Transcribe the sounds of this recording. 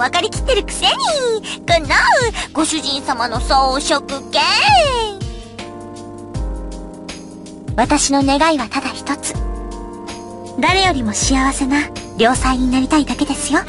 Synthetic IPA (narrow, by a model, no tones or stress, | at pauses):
βakaɾʲikʲi̥t̪ːe̞ɾɯ̟kɯ̟̥se̞ɲ̟ikɯnaɯ̟ɡ̥o̞ɕɨʑĩɰ̃samano̞soːɕokɯ̟ke | βat̪aɕino̞ne̞ɡaiβat̪ad̪açi̥t̪o̞t͡sɨ̥ | d̪aɾe̞jo̞ɾʲimo̞ɕiaβase̞naɾʲo̞ːsaiɲ̟inaɾʲit̪aid̪ake̞d̪e̞sɨjo̞